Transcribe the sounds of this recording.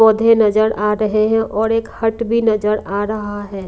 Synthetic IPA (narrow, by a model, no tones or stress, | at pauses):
ɔːd̪ʱenəd͡ʒəɾaɾəɦeɦɛ̃ʔɔːɾeːkhəʈbʱinəd͡ʒəɾaɾəɦaɦɛː